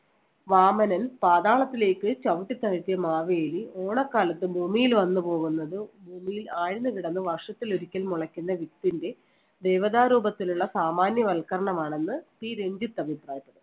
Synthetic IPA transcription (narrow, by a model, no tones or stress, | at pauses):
ʋaːmɐnɐnpaːðaːɭɐt̪ːile̞ːkːɨt͡ɕɐʋuʈːit̪ːaːɻt̪ːijɐmaːʋeːjlio̞ːɳɐkːaːlɐt̪ːɨbʱuːmijilʋɐnːɨpo̞ːɣunːɐðɨbʱuːmijilaːɻinːɨkiɽɐnːɨʋɐrʂɐt̪ːiloɾikʲːɐlmuɭɐkʲːunːɐʋit̪ːinde̞ | d̪ejʋɐðaːɾuːbɐt̪ːiluɭːɐsaːmaːnjɐʋɐlkɐɾɐɳɐmaːɳe̞nːɨt̪iːɾe̞ɲd͡ʑit̪ːɐbʱipraːjɐt̪ːɐðɨ